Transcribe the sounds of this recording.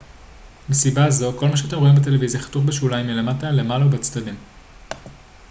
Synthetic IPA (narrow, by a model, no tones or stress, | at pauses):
mesibazo̞ko̞lmaʃeat̬emʁo̞imbet̪̬e̞le̞vizjaχḁtuχbeʃulajmile̞matale̞malaubet͡sdadim